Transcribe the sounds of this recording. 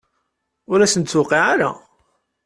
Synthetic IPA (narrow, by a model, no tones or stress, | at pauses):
ʊɾæsənt̪sʊqːiʕaɾa̰